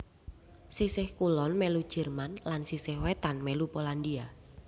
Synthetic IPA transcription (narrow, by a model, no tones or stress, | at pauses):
sisɪhkulɔnmɛlud̥ʒ̥ɛ̤rmanlansisɪhwet̪anmɛlupoland̪ia